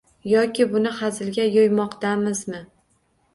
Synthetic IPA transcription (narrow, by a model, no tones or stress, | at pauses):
jɒkʲɪbʊnɪhazɪlɡʲajojmɒqt̪amɪzmɪ